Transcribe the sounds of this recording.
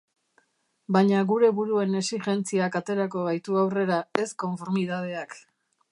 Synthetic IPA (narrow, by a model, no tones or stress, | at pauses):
baɲaɣuɾe̞βuɾue̞ne̞siʝe̞nt͡siakat̪e̞ɾako̞β̞ajt̪uawre̞ɾae̞sko̞ɱfo̞ɾmiðað̞e̞ak